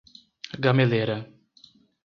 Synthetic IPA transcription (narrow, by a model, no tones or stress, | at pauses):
ɡameleɾɐ